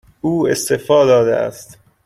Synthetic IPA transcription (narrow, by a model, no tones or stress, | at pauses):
uːest̪efɒːd̪ɒːd̪ḛʔæ̰st̪